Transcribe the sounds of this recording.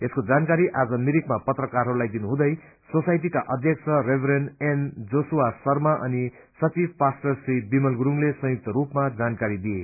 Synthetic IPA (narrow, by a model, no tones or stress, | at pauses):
eskod͡zankaɾiʔad͡zʌmiɾikmapʌt̪rʌkaɾɦʌɾulajd̪inuɦũd̪ʌj | sosajʈ̬ikaʔʌd̪ʱjʌk̚sʰʌrebʱɾenend͡zosuwasʌrmaʔʌni | sʌt͡sibpasʈʌsribimʌlɡuɾuŋlesʌ̃juk̚t̪ʌɾupmad͡zankaɾid̪ie